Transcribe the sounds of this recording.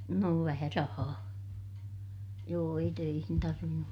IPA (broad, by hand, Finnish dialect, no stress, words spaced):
noː ʋæhæ rɑhɑː joː ei tøihin tɑrʋinːum